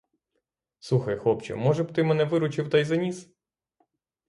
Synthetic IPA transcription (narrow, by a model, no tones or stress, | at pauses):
suxɐjxɔpt͡ʃɛ̰mɔʒɛbt̪ɪmɛnɛʋɪɾʊt͡ʃɪwt̪ajzɐnʲis